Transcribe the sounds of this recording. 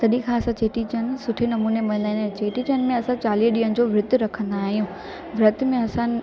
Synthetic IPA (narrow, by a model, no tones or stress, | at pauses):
t̪ɐɗĩkʰãɐsãt͡ɕeːʈit͡ɕən̆sʊʈʰenɐmuːnemɐ̃nd̪aɦĩnd̪at͡ɕeːʈit͡ɕənmẽɐsãt͡ɕaːliːɦɗiːənɪ̆d͡ʑoːʋɾʊd̪ʱɾɐkʰə̃nd̪aːɦijũː | ʋɪɾɐt̪mẽɐsã